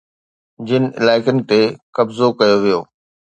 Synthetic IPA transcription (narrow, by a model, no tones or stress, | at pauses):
d͡ʑɪnɪ̆ɪ̰laːɪkənɪ̆t̪ekɐbzokɐjoʋijoː